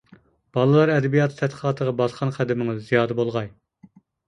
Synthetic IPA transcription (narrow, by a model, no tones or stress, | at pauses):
b̥ɑlˠɨlˠɑɾɛd̪ɛbijɑt̪ʰɨt̪ʰɛt̪qʰəlɑːt̪ʰəʁɑbɑsqʰɑnqʰæd̪ɪmɪŋɪzːijɑːd̪ɨbolˠʁɑj